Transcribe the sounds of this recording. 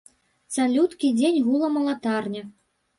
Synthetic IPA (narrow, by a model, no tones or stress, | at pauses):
salʲut̪kʲid͡zʲenʲɣulˠɐmɐlˠat̪ɑrnʲa